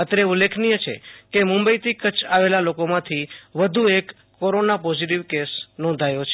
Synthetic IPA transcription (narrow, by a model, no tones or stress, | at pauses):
ət̪ɾeulːekʰnijət͡ʃʰḛkemʊ̃mbəjt̪ʰikət͡ʃʰaʋelalokomãt̪ʰiʋəd̪ʱuekː | oɾonapɔziʈ̬iʋkesnɔ̃nd̪ʱajot͡ʃʰe